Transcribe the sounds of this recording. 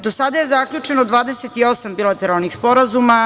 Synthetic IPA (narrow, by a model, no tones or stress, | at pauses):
d̪osad̪aje̞zakʎʲut͡ʃenod̪ʋaːd̪eset̪io̞sambilˠat̪eɾalˠnixspo̞ɾazuma